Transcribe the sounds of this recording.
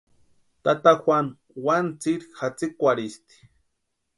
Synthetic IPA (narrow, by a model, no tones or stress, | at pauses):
t̪at̪axwʷan | want͡siɾxat͡sikʷaɾist̪i̥